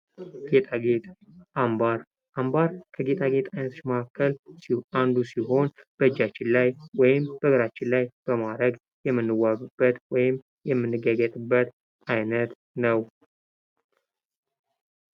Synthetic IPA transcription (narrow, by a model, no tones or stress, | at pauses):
ɡ̥et̪ʰʼaɡet̪ʼambaɾ | ʔambaɾkʰəɡe̞t̪ʼaɡe̞t̪ʼajnət̪ʰot͡ʃːməkakʰːəlsand̪usiɦo̞nb̥əd͡ʒːat͡ʃːɪnlajwɔjɪmbəɡəɾat͡ʃːɪnlajb̥əmad̪ɾəɡ | jɛmːɨnːɨwːaβɨbːət̪wɔjɪm | jɛmːɨnːɨɡəɡət̪ʼɨbːət̪ | ajnət̪ | nəw